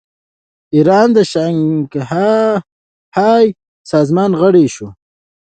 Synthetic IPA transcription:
iɾɑnd̪əʃaŋɡh | hɑj | sɑːzmɑnɣəɽeʃu

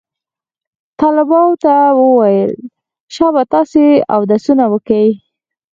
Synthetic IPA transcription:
t̪ɑlɪbɑnt̪awəwajəl | ʃɑβat̪ɑsea̰wd̪asunawəkawi

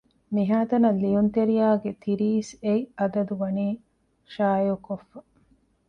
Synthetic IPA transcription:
miɦaːt̪ɐnɐlːijunt̪eɾijaːɡet̪iɾiːseiɐd̪ɐd̪uʋɐniː | ʃaːjukofːɐ

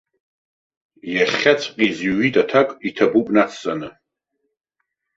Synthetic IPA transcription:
jaχʲat͡sʷʰʼqʲʼizɥitʼatʰakʷʼitʰabupʷʼnat͡sʰt͡sʼanɨ

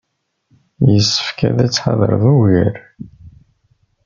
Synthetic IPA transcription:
jəsːə̥fkæðæt͡sːħa̰ðˤə̰ɾˤðuwiɾ

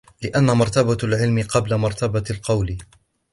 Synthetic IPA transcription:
lɪʔanːamɑɾˤt̪abalʕɪlmɪqɑblamɑɾˤt̪abalqɑwl

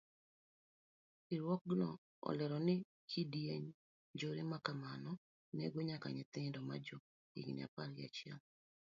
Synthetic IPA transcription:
iɾwɔknɔ̰ | ɔ̰lɛɾɔnɪ | kʰidjeɲ | d͡ʒoɾɪmakamanɔ | nɛɡoɲaka̰ɲɪt̪ɪŋdɔma̰d͡ʒɔ | ḭɡnḭa̰paɾja̰t͡ʃjal

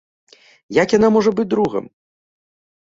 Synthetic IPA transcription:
jakjanamɔʐɐbɨt͡s̚ʲd̪ɾuɣɐ̰m

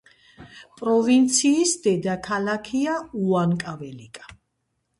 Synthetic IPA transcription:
pʼɾɔvint̪sʰiːsd̪ɛd̪akʰalakʰiauankʼavɛlikʼḁ

